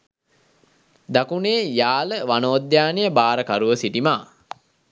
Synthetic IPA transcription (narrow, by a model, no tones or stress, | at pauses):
d̪akuneːjaːləʋanoːd̪jaːnejəbaːɾəkaɾuʋəsiʈimaː